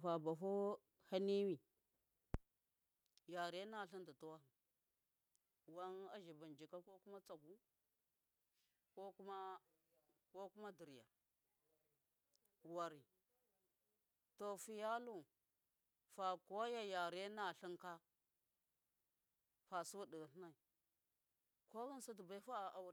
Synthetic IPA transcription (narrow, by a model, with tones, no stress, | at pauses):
fa˨ba˨ɦo˦ | ha˦ni˦wi˨ | ja˨ɾe˦na˦˨ɬi˦nda˨to˦wa˦˨ | wa˦na˦ʒi˨ba˨nd͡ʒi˨ka˦ko˦ku˦ma˦t͡sa˨ɡu˦ | ko˦ku˦ma˦ | ko˦ku˦ma˦di˨ɾja̰˨ | wa˨ɾi˨ | to˨fi˨ja˦lu˦˨ | fa˨ko˦ja˦ja˨ɾe˦na˨ɬi˦ŋka˦ | fa˨su˦wu˦di˨ɣa˨ɬna˨i˨ | ko˦ɣa˦n˦sa˦t̬u˨ba˦i˦fa˦˨a˨w